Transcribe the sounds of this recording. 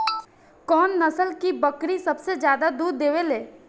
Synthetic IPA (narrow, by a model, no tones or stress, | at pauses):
kɔːnːəsəlkibəkɾisɐbsed͡ʒjaːd̪ad̪uːɾd̪eːʋeleː